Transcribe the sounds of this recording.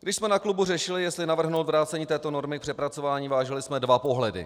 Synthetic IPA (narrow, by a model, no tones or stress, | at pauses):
ɡdɪʃsmɛnakluburɛʃɪlɪjɛst̪lɪnavr̩ɦnowt̪vɾaːt͡sɛɲiːt̪ɛːt̪o̞no̞ɾmɪk̚pr̥ɛpɾat͡so̞vaːɲiːvaːʒɛlɪsmɛdvapo̞ɦlɛdɪ̰